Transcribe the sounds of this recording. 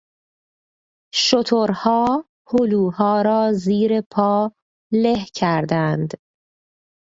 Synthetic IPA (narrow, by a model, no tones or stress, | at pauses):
ʃot̪ʰoɾhɒː | holuːhɒːɾɒːziːɾepʰɒː | lehcʰæɾd̪ænd̪